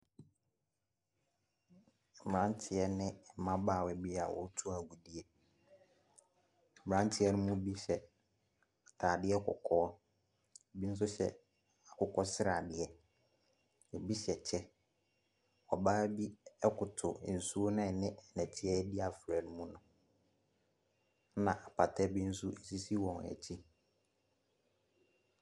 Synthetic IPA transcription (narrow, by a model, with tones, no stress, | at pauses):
m˨ã˦n˦tʰɪ˨ɛ˦nɪ̃˦˨mã˦baː˦˨wɛ˨bi˦a̰˨wɔ̰˨˦tʰu˦a˨ɡu˨di˨˦e˦˨ | m˨ɾã˦n˦tʰɪ˦ɛ˦nʊ̃˦mũ˦bi˦ɕɛ˨ | tʰaː˨dɪ˦ɛ˦kʰʊ̰˨kʰɔː˦ | e˨bi˦n̩˦s̬ʊ˦ɕɛ̰˦ | a˨kʊ˨kʰɔ˦sɪ˦ɾa˨dɪ˦ɛ˦ | e˨bi˦ɕɛ˨t͡ɕʰɛ˦ | ɔ˨baː˦bi˦ɛ˦kʊ˨tʰʊ˨n̩˨su˦o˦nɪ̃˦˨nɪ̃˦ɛ˨næ̃˨tʰɪ˦ɛ˦dɪ˦a˨fɾæ˨nʊ̃˦mũ˦nʊ̃˨ | nã˨ʔa˨pʰa˨tʰɛ˦bi˦n̩˦su˦e˨si˦si˦wɔ̃˨n˨ɛ̰˨t͡ɕʰi˦